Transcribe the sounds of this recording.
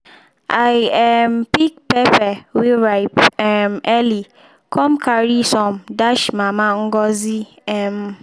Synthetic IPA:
aɛmpik̚pɛpɛwiɹaɪpɛmɛli | kʰɔ̃mkʰaɹisɔ̃mdaʃmamaŋ̩ɡɔzi | ɛm

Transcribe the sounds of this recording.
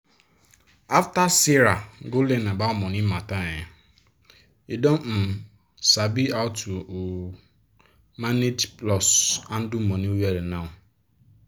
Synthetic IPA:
aftasiɾaɡolenabaɔmɔnimataaɲa | idɔmm̩ | sabiaʊtu | manedplɔsan̩dʊm̩mɔniweɾenaʊ

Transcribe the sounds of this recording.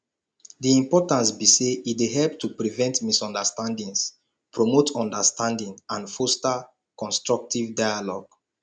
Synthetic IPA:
diĩmpɔtãnsbiseitdeɦɛlptʰupɹivɛ̃ntmisɔ̃ndəstãndĩŋs | pɹomotʰɔ̃ndəstʰãndĩŋãnfosta | kɔ̃nstɹɔk̚tivdajalɔɡ̥

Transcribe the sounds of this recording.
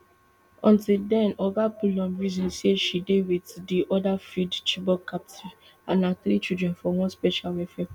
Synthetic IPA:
ɔ̃ntildɛ̃nɔɡapulɔ̃mɹizɔ̃nseʃidewitdiʔɔdafidt͡ʃibɔkːap̚ti | ã̰naθɾit͡ʃidɹɛ̃nfɔwɔ̃spɛʃalɛfɛ

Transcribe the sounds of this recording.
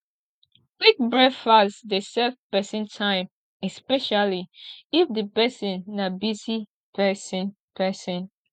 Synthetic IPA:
ɡik̚bɹɛfasdesɛvpɛsĩntʰãɪ̃m | ɛspɛʃaliifdəpɛsĩnːabizi | pɛsĩn | pʰɛsĩn

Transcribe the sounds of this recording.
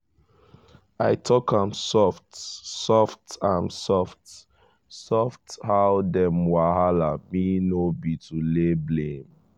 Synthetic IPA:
aɪtʰɔkʰãmsɔftsɔftãmsɔft | sɔfthawdɛ̃mwaɦalaminobitʰuleblẽm

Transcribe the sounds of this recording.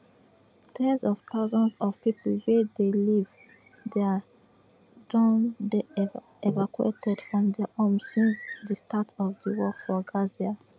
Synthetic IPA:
tʰɛ̃nzɔvtʰaʊzɔ̃nsɔv̥pipl̩wedeliv | dɛ | dɔ̃nde | evakuḛtʰɛdfɹɔ̃mdɛhɔ̃msĩnsdəstatʰɔvdəwɔkfɔɡazia

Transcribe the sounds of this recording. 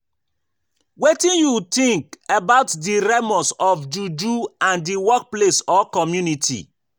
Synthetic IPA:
wetĩnjutĩŋkebaʊtdiɾemɔ̃sɔfd͡ʒud͡ʒuãndiwɔk̚plesɔkɔmjunitʰḭ

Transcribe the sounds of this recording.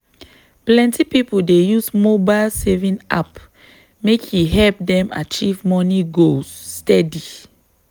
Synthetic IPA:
plɛ̃ntipipodejusmobalsɛvĩna̰p | mekʰjiɦɛlp̚dɛ̃ma̰t͡ʃivmɔniɡosːtɛdi

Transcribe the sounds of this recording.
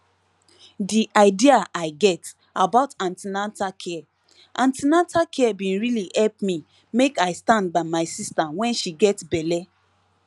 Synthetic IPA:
diʔaɪdiaʔaɪɡɛt | abaʊtãntinatakʰɛ | ʔãntinatakʰɛbĩnɹilihɛlpmi | mekaɪstãnd̚baɪmaɪsistawɛ̃nʃiɡɛtbɛlɛ

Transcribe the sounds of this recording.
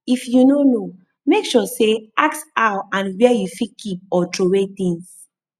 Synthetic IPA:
ifjunono | mekʃɔseaktaãnwɛjufikʰip̚ɔtɹowet̪ĩŋs

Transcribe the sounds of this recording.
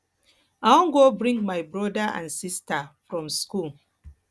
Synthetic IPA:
awɔ̃nɡobɹĩŋɡmajbɹɔdaã̰nsistafɹɔ̃mskul

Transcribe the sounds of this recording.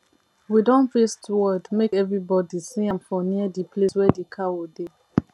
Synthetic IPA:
widɔ̃nfestwɔdmekɛvɹibɔdisiãmfɔniədipʰleswɛdekʰawode

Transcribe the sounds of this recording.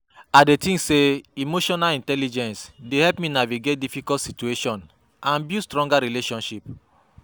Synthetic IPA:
adetĩŋseimoʃɔnalĩntɛlid͡ʒɛ̃nsdehɛlpmĩnaviɡet̚difikɔtsitueʃɔ̃n | ʔãnbjustɹɔ̃ŋɡaɹileʃɔ̃nʃip

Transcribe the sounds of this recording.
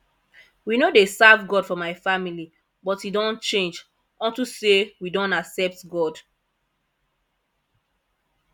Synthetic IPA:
winodesavɡɔdfɔmaɪfamili | bɔtidɔ̃nt͡ʃẽnd͡ʒ | ɔ̃ntusewidɔ̃naksɛp̚tɡɔd

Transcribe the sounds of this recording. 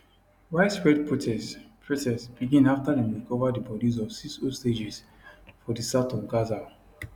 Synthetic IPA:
waɪsɹɛdpʰotʰɛspʰɹotɛsb̥iɡĩnaftadɛ̃mwikʰɔvadibɔdizɔv̥siksosted͡ʒɛs | fɔdisatɔ̃mɡaza

